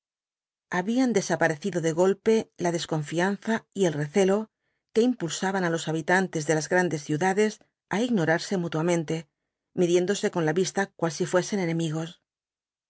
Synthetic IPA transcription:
aβiand̪e̞sapaɾe̞θiðo̞ðe̞ɣ̞o̞lpe̞laðe̞sko̞ɱfian̟θaie̞lreθe̞lo̞ | ke̞impulsaβanalo̞saβit̪ant̪e̞zðe̞lazɣɾand̪e̞sθjuðaðe̞s | aiɣno̞ɾaɾse̞mut̪wamẽnt̪e̞ | miðje̞nd̪o̞se̞ko̞nlaβist̪akwalsifwe̞se̞ne̞nẽ̞miɣo̞s

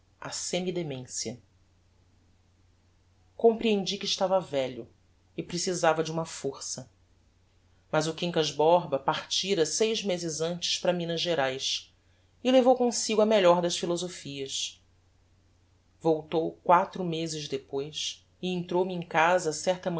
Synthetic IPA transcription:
a̰sẽmid̪emẽsiɐ | kõmpɾiẽnd͡ʒikɪːʃt̪avɐvɛʎʊ | ɪpɾesizavɐd͡ʒɪũmɐfoɾsɐ | mɐzʊkĩŋkɐʒbɔɾbɐpaχt͡ʃiɾɐsejʒmezɪzɐ̃nt͡ʃɪ̥ʃpɾɐmĩnɐʒeɾajs | ɪlevowkõsiɡʊɐmeʎɔɾd̪ɐʃfilozofiɐs | vowt̪owkwat̪ɾʊmezɪzʒd̪epojs | ɪẽnt̪ɾowmɪẽkazɐsɛɾt̪ɐmɐ̃

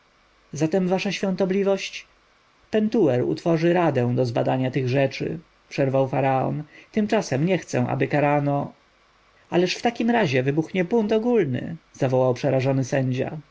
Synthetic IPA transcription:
zat̪ɛmvaʂaɕfʲjɔ̃nt̪ɔblʲivɔɕt͡ɕ | pɛnt̪uɛɾṵt̪fɔʐɘɾad̪ɛ̃w̃d̪ɔzba̰d̪aɲat̪ɘɣʐɛt͡ʂɘ̰ | pʂɛɾvawfaɾaɔ̰nt̪ɘmt͡ʂasɛmɲɛxt̪sɛ̰̃ʔa̰bɘkaɾanɔ | alɛʂft̪akʲimɾaʑɛvɘbuxɲɛbunt̪ɔɡulnɘ̰z̥avɔwawpʂɛɾaʐɔnɘsɛɲd͡ʑa̰

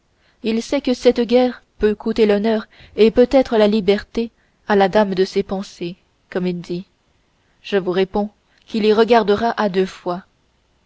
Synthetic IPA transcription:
ilsɛkəsɛt̪ɡʲɛːʁpøkʰut̪elɔnœːʁ | epøt̪ɛt̪χəlalibɛʁt̪e | alad̪amd̪əsepɑ̃se | kɔmild̪i | ʒ̥əvuʁepɔ̃ | kiliʁəɡaʁd̪əʁaʔad̪øfwa

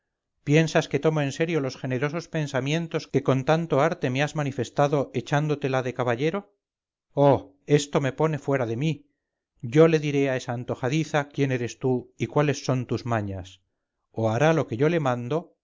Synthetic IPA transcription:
pje̞nsaske̞t̪o̞moe̞nse̞ɾjo̞lo̞sxe̞ne̞ɾo̞so̞spe̞nsamjẽ̞nt̪o̞ske̞ko̞nt̪ant̪o̞aɾt̪e̞meazmanife̞st̪aðo̞ʔe̞t͡ʃand̪o̞t̪e̞laðe̞kaβaʎe̞ɾo̞ | o | e̞st̪o̞me̞po̞ne̞fwe̞ɾaðe̞mi | ɟ͡ʝo̞le̞ðiɾe̞ae̞saːnt̪o̞xaðiθakje̞ne̞ɾe̞st̪uikwale̞sːo̞nt̪uzmaɲas | oaɾalo̞ke̞ʝo̞le̞mãnd̪o̞

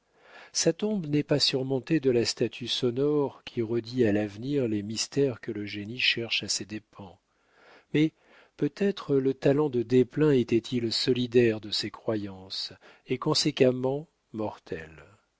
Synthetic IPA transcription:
sat̪ɔ̃bnɛpasyʁmɔ̃t̪ed̪əlast̪at̪ʰysɔnɔʁkʲʰiʁəd̪ialavniʁlemist̪ɛʁkələʒeniʃɛʁʃased̪epʰɑ̃ | mɛ | pøt̪ɛt̪χələt̪alɑ̃d̪əd̪eplɛ̃et̪ɛt̪ʰilsɔlid̪ɛʁd̪əsekχwajɑ̃s | ekɔ̃sekamɑ̃ | mɔʁt̪ʰɛ̰l

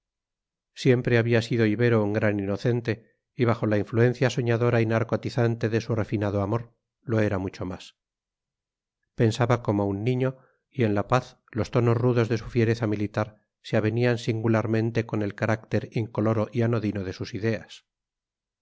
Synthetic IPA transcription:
sje̞mpɾe̞aβiasiðo̞iβe̞ɾouŋɡɾanino̞θe̞nt̪e̞ | iβaxo̞laiɱflue̞n̟θjaso̞ɲaðo̞ɾainaɾkot̪iθant̪e̞ðe̞sure̞finaðoamo̞ɾ | lo̞e̞ɾamut͡ʃo̞mas | pe̞nsaβako̞mounːĩɲo̞ | ie̞nlapaθ | lo̞st̪o̞no̞zruðo̞zðe̞sufje̞ɾe̞θamilit̪aɾ | seaβe̞niansiŋɡulaɾmẽ̞nt̪e̞ko̞ne̞lkaɾakt̪e̞ɾiŋkolo̞ɾo̞ʔiano̞ðino̞ð̞e̞susiðe̞as

